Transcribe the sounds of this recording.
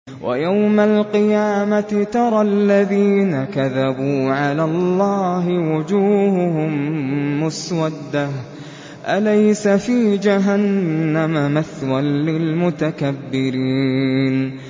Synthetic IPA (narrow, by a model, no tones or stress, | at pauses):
wʔa̰jawmalqɨjaːmaɪt̪ɑɾˤɑlːaðiːnakaðabuːʕalaːlˤːɑːɦɪwʊd͡ʒuːhʊhʊmːʊswad̪ːah | ʔalajsafiːd͡ʒaɦanːamamaθwanːɪlmʊt̪akabːɪɾiːn